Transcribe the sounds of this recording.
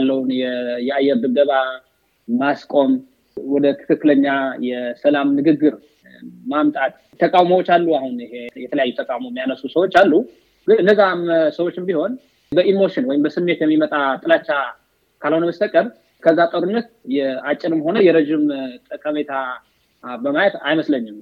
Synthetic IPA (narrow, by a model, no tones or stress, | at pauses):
alːəwunjɛjɛajːɛɾd̪ɨbd̪əβa | maskʼo̞m | wɔd̪ət̪ʰɨ̥kɨkːɨləɲːajɛsəlamnɨɡɨɡːɨɾ | mamt̪ʼat̪ʼ | t̪ʰəkʼawməwot͡ʃːalːuahunɨhejɛt̪ʰələjajːut̪ʰəkʼawmomːijanəsusəwot͡ʃːalːu | ɡɨnɨnd̪əzamsəwot͡ʃːɪmbiho̞n | bəʔimo̞ʃɪnwɔjɪmbəsɨnːe̞t̪jɛmːimət̪ʼat̪ʼɨlat͡ʃːa | kʰalho̞nəməst̪ʰəkʼːəɾ | kʰəzːat̪ʼəɾunːət̪jɛat͡ʃʼːɪnɨmho̞nəjɛɾəd͡ʒɪmt̪ʼəkʰʼːəmet̪ʰa | bəmajɛt̪ajməsləɲːɪm